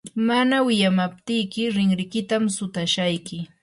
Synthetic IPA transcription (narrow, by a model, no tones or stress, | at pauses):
manawɪjamap̚t̪ɪjkɪɾɪŋɾɪkɪt̪amsʊt̪aʃajkɪ